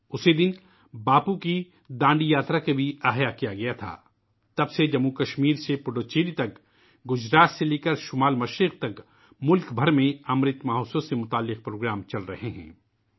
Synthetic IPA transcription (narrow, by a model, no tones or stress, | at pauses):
ʊsid̪ɪn | baːpuki | d̪ãːɳɖijaːt̪ɾakebʱiaːɦjakijaɡɐjat̪ʰa̰ː | t̪ɐbsed͡ʒɐmːukɐʃmiːɾsepʊɖoːt͡ʃeːlit̪ɐk | ɡʊd͡ʒɾaːt̪seleːkəɾʃʊmaːlmɐʃɾɪq̚t̪ɐk | mʊlkbʱɐɾmẽɐmɾɪt̪maːɦoːsosemʊt̪aːlːɪq̚pɾoːɡɾaːmt͡ʃɐlɾɐ̰ɦeɦɛ̰̃ː